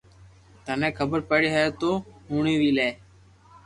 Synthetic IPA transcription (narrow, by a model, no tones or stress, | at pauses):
t̪ənɛ̃ːkʰəbəɾpəɽeːɦeːt̪oːɦuːɳiːʋiːleː